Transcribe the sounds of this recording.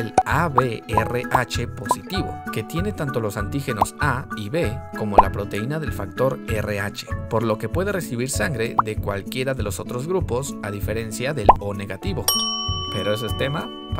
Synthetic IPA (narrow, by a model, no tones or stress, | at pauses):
elaβe̞ereʔat͡ʃe̞po̞sit̪iβo̞̰ke̞t̪je̞ne̞t̪ant̪o̞lo̞sant̪ixe̞no̞saiβe̞ko̞mo̞la̰pɾo̞t̪e̞inaðe̞lfak̚t̪o̞ɾere̞at͡ʃe̞̥po̞ɾlo̞ke̞pwe̞ðe̞re̞siβiɾsaŋɡɾe̞ðe̞kwa̰lkje̞ɾaðe̞lo̞so̞t̪ɾo̞zɣɾupo̞saðife̞ɾe̞nsjaðe̞lo̞ne̞ɣat̪iβo̞pe̞ɾo̞e̞s̬oest̪e̞ma | p